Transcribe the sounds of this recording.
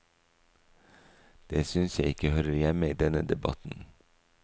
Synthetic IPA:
d̪̥eːsʏnsjæɪɪkəhœɾəɾjɛməiːd̪ɛnəd̪ɛbɑ̰t̪n̩

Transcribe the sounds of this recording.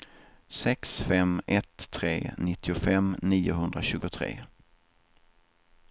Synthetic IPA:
sɛksfɛmɛt̪ʰːɾḛːnɪt̪ːɪʊfɛmniːʊɦɵnd̪ɾaɕʉ̟ːɡʊt̪ʰɾḛː

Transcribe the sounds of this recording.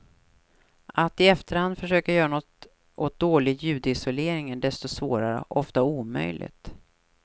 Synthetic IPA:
at̪ɪɛft̪əɾhand̪fœʂøːkaɾjœːɾanɔt̪ː | ʔɔt̪̚d̪oːlɪɡjʉ̟ːd̪əɪsɔleːɾɪŋənɖ̪ɛst̪ɔsvoːɾaɾə̰ʔɔft̪auːmœ̰jlʔɪ̰ɡt̪

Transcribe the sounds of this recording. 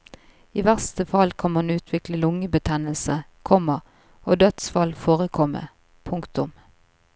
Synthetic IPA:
iːʋæʁst̪əfɑlkʰɑnmɑnʉːt̪ʰʋɪkləlʊŋəbət̪ʰɛnəlsəkʰɔməʁ | oːd̪œt̪sfɑlfoːʁəkʰɔmə̰ | pʰʊŋkt̪ʊm

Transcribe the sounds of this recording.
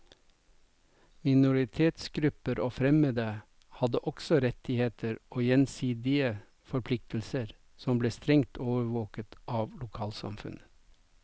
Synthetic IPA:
mɪnʊɾɪt̪ʰeːt̪sɡɾʉpəɾoːfɾɛməd̪ə | hɑd̪əʔɔksɔɾɛt̪ɪheːt̪ʰəɾoːjɛnsiːd̪ɪə | fɔɾpʰlɪk̚t̪l̩səɾ | sɔmbleːst̪ɾɛŋt̪ʰoːʋəɾʋoːkət̪ʔɑːʋlʊkʰɑːlsɑ̰mfʉ̰n

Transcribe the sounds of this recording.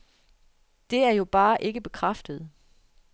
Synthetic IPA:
d̥e̝æɐjo̝b̥ɑ̈ːʔe̝ɡ̥əb̥e̝kʰʁɑfd̥əð̞̩ˠ

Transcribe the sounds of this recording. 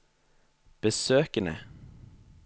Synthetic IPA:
b̥əsøːkənə̰

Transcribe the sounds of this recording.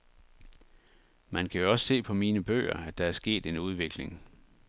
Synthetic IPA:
mænkʰæjo̝ɒ̽sə̥se̝̰ːpʰɒ̽miːnəb̥ø̰ːɐ̰æd̥ɑ̈æɐsɡ̥e̝̰ːd̥e̝nuð̞ˠʋe̝ɡ̥le̝ŋ

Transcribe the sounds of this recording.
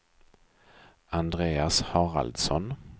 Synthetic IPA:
and̪ɾeːashɑːɾa̰ld̪sɔn

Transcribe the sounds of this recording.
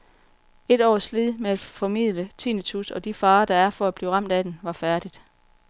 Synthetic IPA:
e̝d̥ɒ̰ːslið̰ˠmeæd̥fɒ̽mið̰ˠlət͡sʰinit͡sʰusɒ̽d̥ifɑ̈ːd̥ɑ̈æɐfɒ̽æb̥liːʁɑ̈m̰d̥æd̥enʋɑ̈fæɐd̥id̥

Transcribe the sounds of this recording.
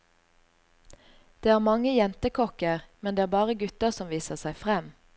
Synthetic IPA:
d̪̥eːæːʁmɑŋəjɛnt̪əkʰɔkəʁmɛnd̪eːæːbɑːʁəɡʉt̪əsɔmʋiːsəʁsæɪfʁɛm

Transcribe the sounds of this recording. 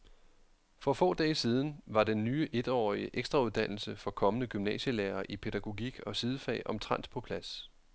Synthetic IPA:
fɒ̽fɔ̰̽ːd̥ɛːsiːð̞ˠn̩ʋɑ̈denːyːʔe̝d̥ɒ̰ːiəʔeɡ̥sd̥ʁɑ̈uð̞ˠd̥æn̰l̩səfɒ̽kʰɒ̽mənəɡ̥ymnɛ̰ːɕəleːɐʔipʰe̝ɾ̥æɡ̥o̝ɡ̥iɡ̥ɒ̽sið̞ˠəfɛ̰ːɪʔɒ̽mt͡sʰʁɑn̰d̥pʰɒ̽pʰlæs

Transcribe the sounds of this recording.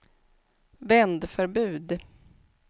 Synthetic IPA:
vɛnd̪fœɾbʉ̟ːd̪

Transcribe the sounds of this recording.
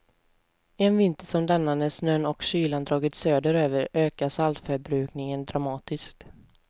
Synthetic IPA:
ɛnvɪnt̪əʂɔmd̪anːanəsnœnɔkɕyːland̪ɾɑːɡɪt̪søːd̪əɾøːvəɾøːkasalt̪fœɾbɾʉ̟ːknɪŋənd̪ɾamɑːt̪ɪsk̚t̪

